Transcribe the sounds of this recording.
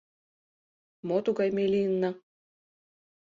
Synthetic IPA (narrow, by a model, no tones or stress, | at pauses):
mot̪uɣɑjmelʲiənːɑ